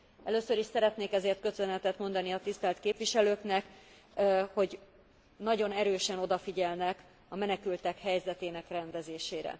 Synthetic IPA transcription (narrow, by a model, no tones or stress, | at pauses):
ɛløːsøɾiʃsɛɾɛt̪neːkɛzeːrt̪̚kø̞sønɛt̪ɛt̪mo̞nd̪ɒniɒt̪ist̪ɛlt̪keːpʋiʃɛløːknɛk | ho̞ɟ | nɒɟo̞nɛɾøːʃɛno̞d̪ɒfiɟɛlnɛk | ɒmɛnɛkylt̪ɛkhɛjzɛt̪eːnɛkrɛnd̪ɛzeːʃeːɾɛ̰